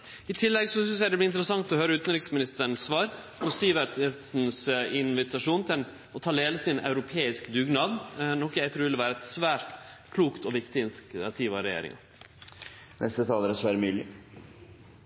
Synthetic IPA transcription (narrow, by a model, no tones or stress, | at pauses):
ɪt̪ʰɪlːɛɡsɔsʏns̬jæɪd̪ɛblɪnt̪ɾəsɑŋt̪ɔhøːɾəʉːt̪nɾɪksmɪnɪst̪əɳ̩sːʋɑːɾ | pʰɔsiːʋəɾsn̩sɪnʋɪt̪ɑʂuːnt̪ʰɪl | ɔt̪ʰɑːd̪eːləsɪnʔɑ̰ʉɾʊpʰeːɪskd̪ʉɡnɑːd̪nɔkjæɪt̪ʰɾʉːʋɪlʋæːɾəɛt̪sʋæːɾt̪kʰluːkt̪ɔʋɪkt̪ɪɪnskɑt̪ʰiːʋɑɾɛjḛːɾɪ̰ŋɑ̰ | nʔɛst̪ət̪ʰɑːləɾəsʋæːɾəmyːlɪ